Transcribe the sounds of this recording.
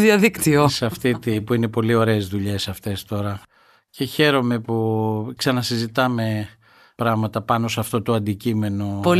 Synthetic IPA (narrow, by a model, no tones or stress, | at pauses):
ðiɐðikt̪iosɐft̪it̪ipuine̞po̞lio̞ɾe̞ːzðuʎe̞sɐft̪e̞st̪o̞ɾɐ | ce̞çe̞ɾo̞me̞puksɐnɐsizit̪ɐme̞ | pɾɐɣmɐt̪ɐpɐno̞sɐft̪o̞t̪o̞ɐnd̪icime̞no̞po